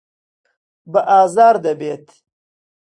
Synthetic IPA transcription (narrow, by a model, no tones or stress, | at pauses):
bəʔɑːzɑːɾd̪ɐbeːt̪